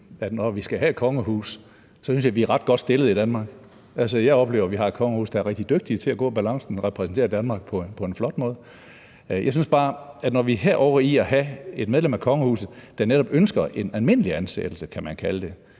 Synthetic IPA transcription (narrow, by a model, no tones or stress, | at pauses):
æd̥nɒʋisɡ̥æɦæe̝d̥̚kʰɒ̽ŋəhṵːs | sɒsynsjɑ̈ɪʋiæɐʁɑ̈d̥̚ɡ̥ɒ̽d̥sd̥e̝ləð̩ˠid̥ænmɑ̈ːɡ̥ | ʔælsəjɑ̈ɪɒ̽b̥le̝ːʊɐʋiɦɑ̈e̝̥kʰɒ̽ŋəhṵːsd̥ɑ̈æɐʁɛɡ̥̚d̥id̥øɡ̥̚d̥it͡sʰe̝æɡ̥ɔ̰̽ːb̥ælɑ̈ŋ̰sn̩ʁɛpʰʁɛsn̩t͡sʰe̝̰ɐd̥ænmɑ̈ːɡ̥̚pʰɒ̽pʰɒ̽e̝nflɒ̽d̥mɔ̽ːð̩ˠ | jʔɑ̈ɪsynsb̥ɑ̈ːæd̥nɒʋiɦeɐ̰ʔɒʊ̰ɐiɒɦæe̝d̥með̞ˠlemækʰɒ̽ŋəhṵːsð̩ˠd̥ɑ̈neɾ̥ɒ̽b̥ønsɡ̥ɐʔe̝nælme̝n̰əliænsḛd̥l̩səkʰæmænkʰæləd̥e̝